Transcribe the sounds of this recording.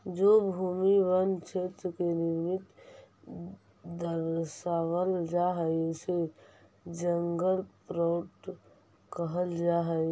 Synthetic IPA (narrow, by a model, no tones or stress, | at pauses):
d͡ʒobʱuːmibənt͡ʃʰet̪ɾkenɪɾmɪt̪ | d̪əɾsaːwəld͡ʒaɦəjse | d͡ʒəŋɡəlpɾɔːʈ | kəɦəld͡ʒaɦə